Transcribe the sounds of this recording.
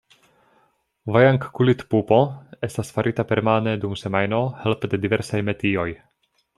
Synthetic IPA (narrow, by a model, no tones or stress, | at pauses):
vajaŋkːulit̪pupoest̪asfaɾʔit̪apeɾmaned̪umsemajnohelpd̪ed̪iveɾsajmet̪ioj